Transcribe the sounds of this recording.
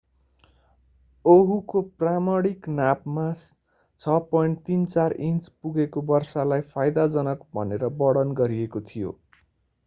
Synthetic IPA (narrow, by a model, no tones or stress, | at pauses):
oɦukopramʌɽiknapmas | t͡sʰʌpʌjɳʈt̪int͡sarint͡spuɡekobʌrsalajpʰajd̪ad͡zʌnʌkbʱʌ̰neɾʌbʌɽʌnɡʌɾiekot̪ʰijo̰